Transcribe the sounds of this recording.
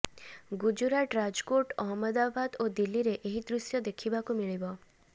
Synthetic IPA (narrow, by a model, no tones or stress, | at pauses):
ɡud͡ʒuɾaʈɾad͡ʒkoʈɔɦɔmɔd̪abad̪od̪ilːiɾeʔeɦid̪ɾusjɔd̪ekʰibakumiɭibɔ